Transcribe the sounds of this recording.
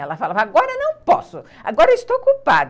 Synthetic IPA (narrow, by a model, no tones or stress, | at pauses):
ɛlɐfalavaɡɔɾɐnɐ̃w̃pɔ̰sʊa̰ɡɔɾɐist̪okupa̰d̪